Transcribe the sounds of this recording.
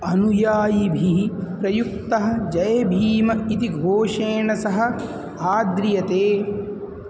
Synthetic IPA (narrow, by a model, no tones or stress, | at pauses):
ɐnujaːjibʱipɾɐjuk̚t̪ɐɦɐ̆d͡ʒɐjɐbʱiːmɐit̪iɡʱoːʂeːɳɐsɐɦɐ̆ | aːd̪ɾjɐt̪eː